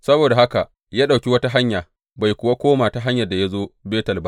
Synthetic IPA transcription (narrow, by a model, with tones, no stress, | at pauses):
sɐ˦boː˨da˨ɦa˦ka˨ | jaː˦ɗa˨kʲi˦wɐ˦ta˦ɦa˦ɲjaː˨ | ba˨jkʷʊ˨wa˦kʷoː˦maː˨ta˨ɦa˦ɲjɐ˨da˨ja˦zoː˦beː˦tɐ˨lba˦